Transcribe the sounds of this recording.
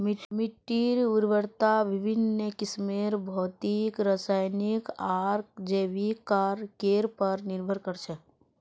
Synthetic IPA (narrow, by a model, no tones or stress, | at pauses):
mɪʈmɪʈːiɾuɾʋəɾt̪aʋɪbʱinːəkɪsmeɾbʱɔːt̪ikɾasaːjnikaɾkd͡ʒeʋikaɾkeːɾpəɾnɪɾbʱəɾkəɾt͡ʃʰɛ